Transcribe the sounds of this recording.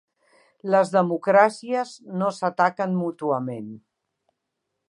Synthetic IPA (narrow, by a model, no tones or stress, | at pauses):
ləzðəmukɾasiəznosət̪akənmut̪uəmen